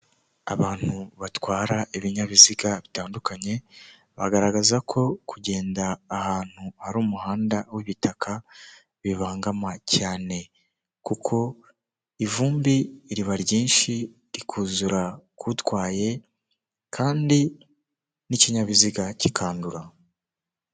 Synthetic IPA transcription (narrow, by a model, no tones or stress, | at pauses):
a̰βaːn̥huβatwaːɾaʔiβiɲaβiziɡaβitaːndukaɲe̞ | βa̰ɡaɾaɡazakʰo̞kʰuɟe̞ːndaːhaːn̥huhaɾuːmuhaːndawiβitakʰa | βiβaːŋɡamacaːne̞ | kukʰo̞ | ivuːmbiɾiβaɾɟiːnʃi | ɾikʰuːzuɾakutwaːje̞ | kʰaːndi | niciɲaβiziɡacikʰaːnduɾa